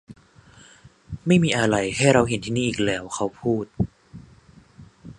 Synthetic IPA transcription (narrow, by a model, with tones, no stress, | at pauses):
ma˥˩jmiː˧ʔa˧ɾa˧jɦa˥˩jɾa˧wɦe˨˩˦nt̪ʰiː˥˧niː˥˩˨iː˨˩k̚lɛː˦˥wkʰa˦˥wpʰuː˥˩t̪̚